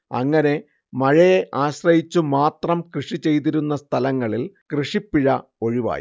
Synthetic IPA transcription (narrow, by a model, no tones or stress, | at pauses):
ɐŋːɐne̞ | mɐɻɐjeʔaːɕrɐjit͡ɕːumaːt̪rɐmkrɨʂit͡ɕe̞jt̪̬iɾunːɐst̪ʰɐlɐŋːɐɭilkrɨʂipːiɻɐo̞ɻiʋa̰ːjḭ